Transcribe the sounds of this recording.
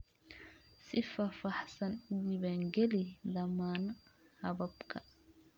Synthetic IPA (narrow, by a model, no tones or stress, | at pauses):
sɪfɐːfɑħsɐnʊwɪβæːŋɡɛlɪd̪ɐmaːnɐhɐβɐbkʰɐ